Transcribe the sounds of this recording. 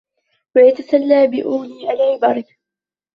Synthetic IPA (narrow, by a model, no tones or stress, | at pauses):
wajat̪asalːaːbɪʔuːliːʔalʕɪbɑɾˤɪ